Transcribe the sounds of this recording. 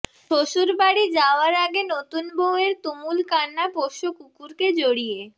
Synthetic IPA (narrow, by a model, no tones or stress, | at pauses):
ʃoʃuɾbaɽid͡ʑaoaɾaɡenot̪unboweɾt̪umulkanːapoʃokukuɾked͡ʑoɽije